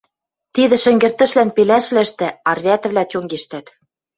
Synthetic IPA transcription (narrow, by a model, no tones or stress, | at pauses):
t̪iðɘ̆ʃɘ̆ŋɡɘ̆rt̪ɘ̆ʃlænpelæʃβlæɘʃt̪ɘ̆ɑrβʲæt̪ɘ̆βlʲæt͡ɕoŋɡeʃt̪æt̪